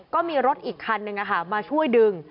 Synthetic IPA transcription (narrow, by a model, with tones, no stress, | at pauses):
kɔː˥˩miː˧ɾo˦˥t̪̚ʔiː˨˩kʰːa˧nːɯ˧ŋʔa˧kʰa˥˩maː˧t͡ɕʰu˥˩əjdɯ˧ŋ